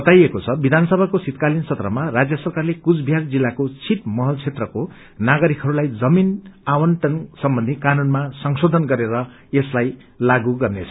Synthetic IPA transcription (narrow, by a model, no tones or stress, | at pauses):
bʌt̪ajekot͡sʰʌbid̪ʱanʌsʌbʱakosit̪kalint͡sʰʌt̪rʌmarad͡zjʌsʌrkarlekud͡zbʱjard͡zilːakot͡sʰit̪mʌɦʌlt͡sʰet̪rʌko | naɡʌɾikɦʌɾulajd͡zʌminawʌnʈʌnsʌmbʌ̃nd̪ʱikanunmasʌŋsod̪ʱʌnɡʌɾeɾʌ | eslaj | laɡuɡʌrnet͡sʰʌ